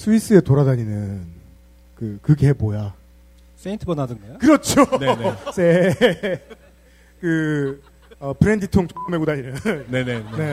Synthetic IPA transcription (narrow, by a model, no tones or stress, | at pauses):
sʰuis͈ɯe̞toɾadaɲinɯn | kɯkɯɡeboja | seintʰɯbʌnadɯɡajokɯɾʌt͡ɕʰonesʰe | kɯ | ʌpʰɯɾe̞nditʰoŋt͡ɕokɯmeɡudaɲinɯnnenene̞